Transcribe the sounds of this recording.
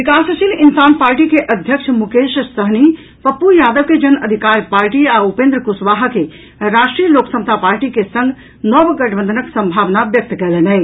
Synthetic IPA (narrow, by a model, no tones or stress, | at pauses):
bikasəsilinsanpaɾʈikeʔəd̪ʱjəkt͡ʃʰmukeʃsəɦni | pəpːujad̪əʋked͡ʒənəd̪ʱikaɾpaɾʈiaupend̪ɾəkusʋaɦke | ɾasʈɾijəloksəmət̪ʰapaɾʈikesə̃ŋɡ | nɔbɡəʈʰbənd̪ʱənəksə̃mbʱaʋnabjək̚t̪kɛlɛnɛɪ